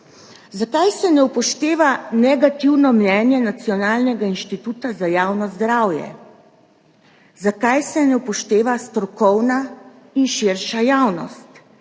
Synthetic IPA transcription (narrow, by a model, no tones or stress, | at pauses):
zakajsɛnɛuwpɔʃt̪eːʋanɛɡat̪iwnɔmnɛːnjɛnat̪sijɔnaːlnɛɡainʃt̪it̪uːt̪azajaːwnɔzd̪ɾawjɛ̰ | zakajsɛnɛwpɔʃt̪eːʋast̪ɾɔkɔwna | inʃɪɾʃajaːwnɔ̰st̪